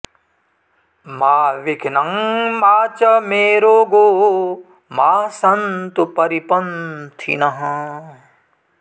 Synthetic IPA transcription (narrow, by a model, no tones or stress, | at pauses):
maːʋɪkʰnɐŋmaːt͡ʃɐmeːɾoːɡoː | maːsɐnt̪upɐɾipɐnt̪ʰḭnɐɦɐ̃